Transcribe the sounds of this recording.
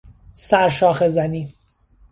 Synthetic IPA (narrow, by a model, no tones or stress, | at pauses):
sæɾʃɒːxezæniː